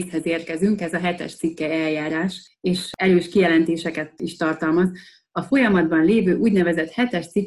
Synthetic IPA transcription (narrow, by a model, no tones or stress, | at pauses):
shɛzeːrkɛzyŋkɛzɒɦɛt̪ɛ̰ʃt̪sikːɛɛljaːɾaːʃ | eːʃɛɾøːʃkijɛlɛnt̪eːʃɛkɛt̪iʃt̪ɒrt̪ɒlmɒz | ɒfo̞jɒmɒd̪̚bɒnleːvøːʔuːɟnɛvɛzɛt̪hɛt̪ɛʃt̪si